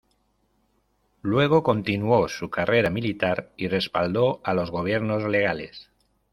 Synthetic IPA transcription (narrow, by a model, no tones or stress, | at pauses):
lwe̞ɣ̞o̞ko̞nt̪inuo̞sukarʔe̞ɾamilit̪aɾire̞spa̰ld̪o̞ʔalo̞zɣo̞β̞je̞ɾno̞zle̞ɣale̞s